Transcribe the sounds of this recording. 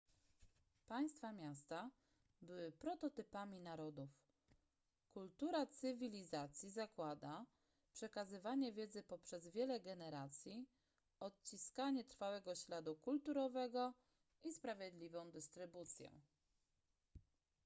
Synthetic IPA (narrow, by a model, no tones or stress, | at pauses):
paj̃st̪famʲjast̪a | bɘwɘpɾɔt̪ɔt̪ɘpamʲinaɾɔd̪uf | kult̪uɾat̪sɘvʲilʲizat̪sʲjizakwad̪a | pʂɛkazɘvaɲɛvʲjɛd̪zɘpɔpʂɛzvʲjɛlɛɡɛnɛɾat̪sʲji | ɔt̪̚t͡ɕiskaɲɛt̪ɾfawɛɡɔɕlad̪ukult̪uɾɔvɛɡɔ | ʔispɾavʲjɛd̪lʲivɔ̃w̃d̪ɘst̪ɾɘbut̪sʲjɛ̰̃